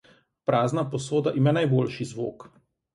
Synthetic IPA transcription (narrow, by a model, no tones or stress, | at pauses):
pɾaːznapɔs̬oːd̪aʔimaːnajbolʃizʋo̰ːk